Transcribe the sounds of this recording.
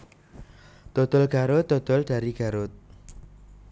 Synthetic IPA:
d̪̥od̪̥ʊlɡ̥aɾʊt̪̚ːod̪̥ʊld̥aɾiɡ̥aɾʊt̪̚

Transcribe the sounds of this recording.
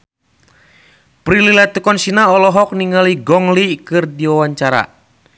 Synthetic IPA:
pɾililat̪ukɔnsinaɔlɔɦɔk̚niŋaliɡɔŋlikɨrdiwawaɲt͡ʃaɾa̰

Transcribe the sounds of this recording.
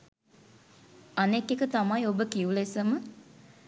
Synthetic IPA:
anekːekət̪amajobəkiulesəmə

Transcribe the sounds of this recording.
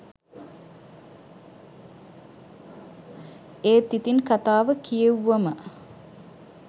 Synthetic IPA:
eːt̪it̪inkat̪aːʋəkijeuʋɐmə

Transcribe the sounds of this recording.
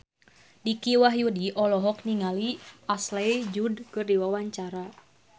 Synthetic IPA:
dikiwaɦjudiʔɔlɔɦɔk̚niŋaliaslejd͡ʒudkɨrdiwawaɲt͡ʃaɾa

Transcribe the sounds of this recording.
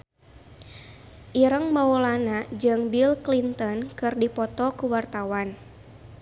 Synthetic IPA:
ʔiɾəŋmaɔlanad͡ʒɨŋbilklint̪ɔnkɨrdipɔt̪ɔkuwart̪awan

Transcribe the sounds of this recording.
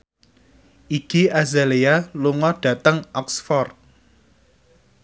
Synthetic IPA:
ʔiɡ̥iazalealuŋɔɖ̥a̤t̪əŋʔɔksfɔrt̪̚

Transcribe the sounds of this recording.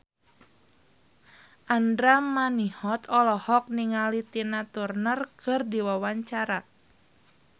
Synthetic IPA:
ʔandɾamanihɔt̪ɔlɔhɔk̚niŋalit̪inat̪urnərkɨrdiwawaɲt͡ʃaɾa

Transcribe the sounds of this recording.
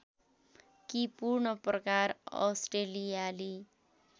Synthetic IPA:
kipurɳʌprʌkaɾʌ̰sʈelijali

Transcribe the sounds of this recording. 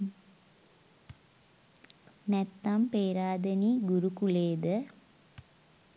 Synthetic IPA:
nɛt̪ːampeːɾaːd̪əniɡuɾukuleːd̪ə

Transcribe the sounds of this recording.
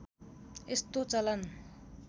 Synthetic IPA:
est̪ot͡sʌlʌn

